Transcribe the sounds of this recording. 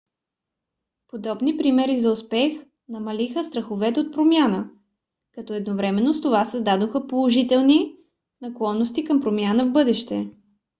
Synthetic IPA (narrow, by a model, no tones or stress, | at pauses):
pod̪ɔbnipɾimɛɾizɐʊspɛx | nɐmɐlixəst̪ɾəxovɛt̪ot̪̚pɾomʲjanə | kɐt̪ɔɛd̪novɾɛmɛnːost̪ovasəzd̪ad̪oxəpolˠoʒit̪ɛlˠni | nɐklˠɔnːost̪ikəmpɾomjanəvbɤd̪ɛʃt̪ɛ